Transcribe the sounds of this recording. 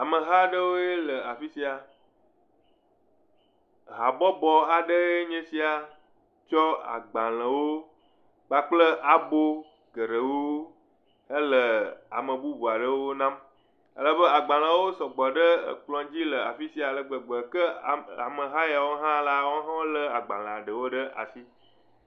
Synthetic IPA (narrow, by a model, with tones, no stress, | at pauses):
a˨mə̃˨ɦa˦ɖə˦wo˦e˦lə˨a˨fi˦si˦a˨ | ɦa˨bɔ˦bɔ˨a˨ɖə˦e˦ɲẽ˦si˦a˨ | t͡ʃɔ˦a̰˨ɡ͡ba˨l̃ə̃˨wo˦ | k͡pa˨k͡plə˦ʔa˨bo˦ | ɡə˨ɖə˨wo˦ | ə˦lə˨a̰˨mə̃˨bu˦bu˨a˨ɖə˦wo˦nã˦m | ə̰˦lə˨bə˦a˨ɡ͡ba˨l̃ã˨wo˦sɔ˨ɡ͡bɔ˨ɖə˦ə̰˨k͡plɔ̃˨d͡ʑi˦lə˨a̰˨fi˦si˦a˨lə˨ɡ͡bə˨ɡ͡bɔ˨kə˦˨a˨mə˨ɦa˦ja˨wo˦ɦã˦la˦wo˦ɦã˦wo˦lə˦a˨ɡ͡ba˨l̃ə̃˨a˨ɖə˨wo˦ɖə˦ʔa̰˨si˦